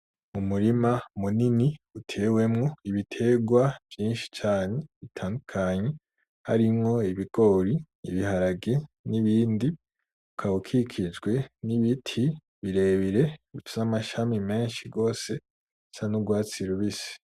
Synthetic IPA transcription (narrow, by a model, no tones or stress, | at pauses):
mumuɾimamuniniutʰe̞ːwe̞mŋo̞iβitʰe̞ːɡwav̥jiːnʃi̥t͡ʃaːne̞βitʰaːndukʰaɲe̞ | ha̰ɾimŋo̞iβiɡo̞ɾi | ḭβihaɾaɡeniβiːndi | ukʰaβukʰikʰid͡ʒɡwe̞niβitʰi | βiɾe̞ːβiɾe̞ifizamaʃamime̞ːnʃiɡo̞ːse̞ | sanuɡwaːt͡siɾuβisi̥